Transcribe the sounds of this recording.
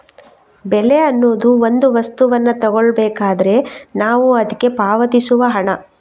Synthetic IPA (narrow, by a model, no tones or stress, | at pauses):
bɛle̞ɐnːoːd̪uo̞nd̪uʋɐst̪uʋɐnːɐt̪ɔɡoɭbɛːkaːd̪ɐɾe̞naːʋuɐd̪ɐkːe̞paːʋɐt̪isuʋɐɦɐɳɐ